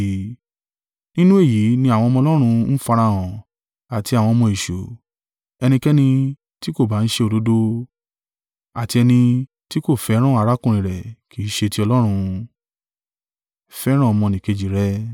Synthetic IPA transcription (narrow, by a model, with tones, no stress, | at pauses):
nĩ˦nũ˦e˦˨ji˨˦nĩ˧a˨w̃ɔ̃˧mɔ̃˧lɔ˦ɾ̃ũ˧n̩˦fa˧ɾa˧˨w̃ɔ̃˨ | a˨ti˧a˨w̃ɔ̃˧mɔ̃˧i˨ʃo˨ | ɛ˧nĩ˧kɛ˦nĩ˧ | ti˦ko˦˨ba˨˦n̩˦ʃe˧o˧˨do˨˦do˧ | a˨ti˧ɛ˧nĩ˧ | ti˦ko˦˨fɛ˨˦ɾ̃ɔ̃˦a˨˧ɾa˦kũ˦ɾ̃ĩ˨ɾɛ˨ki˨˦ʃe˧ti˧ɔ˧lɔ˦ɾ̃ũ˧ | fɛ˦ɾ̃ɔ̃˦ɔ˧mɔ̃˧nĩ˨ke˧d͡ʒi˨ɾɛ˦